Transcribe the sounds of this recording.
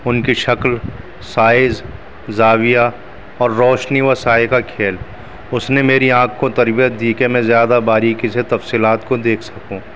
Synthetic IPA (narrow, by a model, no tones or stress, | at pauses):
ʊnkiʃɐkl | saːɪz | zaːwija | ɔːɾːɔːʃniʋɐsaːjkakʰeːl | ʊsnemeːɾiãːkʰkot̪ɐɾbijət̪̚d̪iːkemɛ̃zjaːd̪abaːɾikiset̪ɐfsiːlaːt̪kod̪eːkʰsɐkũ